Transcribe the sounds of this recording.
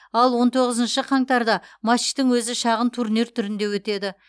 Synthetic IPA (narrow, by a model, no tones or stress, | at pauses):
ɑlˠwo̞nt̪ʰo̞ʁəzənʃəqʰɑŋt̪ɑɾd̪ɑmɑ̥t̪ɪŋwɵzɪʃɑʁənt̪ʰuɾneɾt̪ʰʏɾɪnd̪e̞wɵt̪e̞d̪ɪ